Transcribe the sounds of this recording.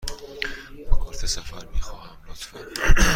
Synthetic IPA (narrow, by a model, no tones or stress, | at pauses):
kʰɒːɾt̪ʰesæfæɾmiːxɒːhæmlot̪fæn